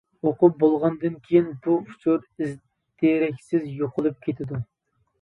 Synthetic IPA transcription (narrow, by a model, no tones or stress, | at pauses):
oqʊp̚bolˠʁɑnd̪ɨnkʲʰejinbuut͡ʃʰuɾiz | d̪̥eɾɛkʲsɪzjoqʰʊlˠɨp̚kʲʰet̪ʰɪd̪u